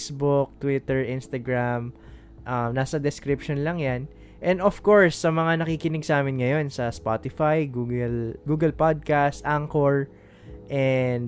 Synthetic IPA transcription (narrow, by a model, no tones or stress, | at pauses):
sbʊk̚t̪wit̪ɛɹʔɪnst̪ɐɡɹam | ʔɐmnaːsɐd̪ɛskɾɪpʃonlɐŋjan | ʔɛnd̪ofko̞ɹsːɐmɐŋanɐkikɪnɪɡ̚sɐaːmɪnŋɐjo̞nsɐspat̪ɪfajɡuɡɛlɡuːɡɐlpad̪̚kast̪ʔaŋkoɹ | ʔɛnd̪